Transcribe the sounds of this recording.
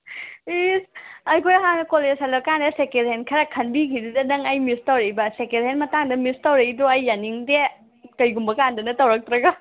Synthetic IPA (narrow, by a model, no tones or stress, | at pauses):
isɐjkʰojɦanɐkolezalɐkandɐsekedɦenkʰɐɾakʰɐnbikʰididɐnɐŋɐjmistawɾejbɐsekedɦenmɐtaŋdɐmistawɾeidɔɐjːaniŋde | kɐjɡumbɐkandɐnɐtɐwɾak̚tɾɐɡa